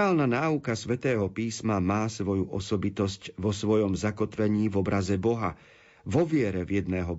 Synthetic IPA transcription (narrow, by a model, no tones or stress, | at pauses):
aːlnanaːukasʋɛt̪ɛːɦɔpiːsmamaːsʋɔjuʔɔsɔbit̪ɔscʋɔsʋɔjɔmzakɔt̪ʋɛɲiːvɔbɾʔazɛbɔɦa̰ | vɔʋɪɛɾɛvjɛd̪nɛːɦɔ